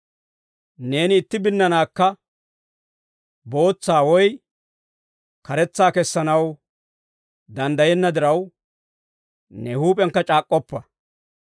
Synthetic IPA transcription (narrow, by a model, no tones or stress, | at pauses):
ne̞ːnɪːt̪ːɪbɪnːɐnaːkːɐ | bo̞ːt͡sːaːwɔj | kɐɾɛt͡sːaːkɛsːɐnɐw | d̪ɐnd̪ɐjɛnːɐd̪ɪɾɐw | nɛhuːpʼɛŋkːɐt͡ʃʼaːkʼːɔpːɐ